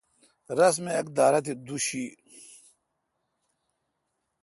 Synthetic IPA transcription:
ɾɐs̬meɐk̚d̪aːɾɐt̪̬id̪uɕi

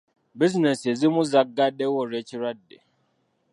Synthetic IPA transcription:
biznesezimuzaɡːaɗewoɾet͡ʃiɾadːe

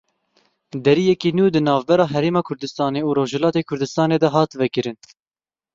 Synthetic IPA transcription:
d̪ɛɾijɛkiːnuːd̪ɨnɑːvbɛɾɑːɦɛɾeːmɑːkʰʊɾd̪ɨst̪ɑːneːuːɾoːʒhɛlɑːt̪eːkʰʊɾd̪ɨst̪ɑːneːd̪ɛɦɑːt̪vɛkɨɾɨn

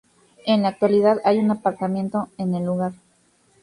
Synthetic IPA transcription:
e̞nlaːk̚t̪waliðaðajunapaɾt̪amjẽ̞nt̪oene̞lːuɣaɾ

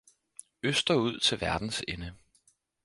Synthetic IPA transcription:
øsd̥ɐuð̞̰ˠt͡sʰe̝lʋæɐd̥n̩senə

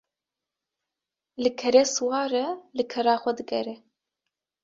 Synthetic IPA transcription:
lɨkʰɛɾeːswɑːɾɐlɨkʰɛɾɑːxʷɛd̪ɨɡɛɾɛ

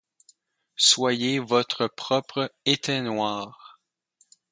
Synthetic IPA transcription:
swajevɔt̪χəpχɔpʁəet̪ɛnwaːʁ

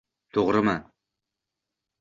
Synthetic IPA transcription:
t̪ʰoʁɾɨma

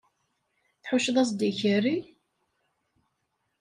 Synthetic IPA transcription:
θħʊʃðˤɑs̬d̪içəɾːi

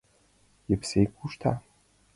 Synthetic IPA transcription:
jɪpsejkʷʰʼuʃt̪ʰa̰

